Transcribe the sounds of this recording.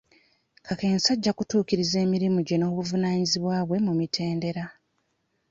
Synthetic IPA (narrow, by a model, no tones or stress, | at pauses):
kʰake̞ːnsaɟːakutuːkiɾize̞ːmiɾimuɟe̞no̞ːβuvunaːɲiziβwaːβwe̞mumitʰe̞ːnde̞ɾa